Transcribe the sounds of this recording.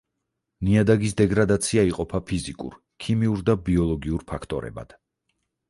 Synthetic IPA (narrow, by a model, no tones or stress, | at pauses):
niad̪aɡis̬d̪ɛɡɾad̪at̪sʰiaiqʼɔpʰapʰizikʼṵɾ | kʰimiuɾd̪abiɔlˠɔɡiuɾpʰakʰt̪ʼɔɾɛ̰ba̰d̪̥